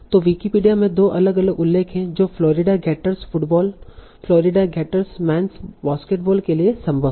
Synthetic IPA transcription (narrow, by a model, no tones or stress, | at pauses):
t̪oːʋiːkipiːɖijamẽd̪oːʔɐləɡɐləɡʊlːeːkʰɦɛ̃d͡ʒoːflɔːɾɪɖaɡɛːʈəɾsfʊʈbɔːl | flɔːɾɪɖaɡɛːʈəɾsmɛ̃ːnsʋaːskeːʈbɔːlkeliesɐ̃mbʱə